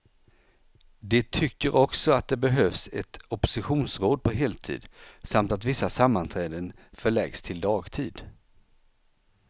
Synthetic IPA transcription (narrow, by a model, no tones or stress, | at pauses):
d̪ɛt̪ʰʏkːəɾʔɔksɔat̪̚d̪ɛbɛɦœːvsɛt̪ɔpɔ̥sɪɧuːnsɾoːd̪̚pʰɔɦeːlt̪ʰḭːd̪samt̪at̪vɪsːasamːant̪ʰɾɛːd̪ənfœɭɛɡst̪ʰɪld̪ɑːɡt̪ʰiːd̪